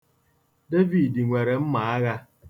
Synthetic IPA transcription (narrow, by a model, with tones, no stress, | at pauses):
de˦vi˨di˨ŋʷe˨ɾe˨m̩˦ma˨a˦ɣa˦